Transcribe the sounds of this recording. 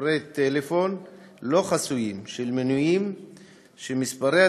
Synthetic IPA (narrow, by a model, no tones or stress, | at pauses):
ɾejt̪elefo̞n | lo̞χasujimʃelmenujim | ʃemispaɾe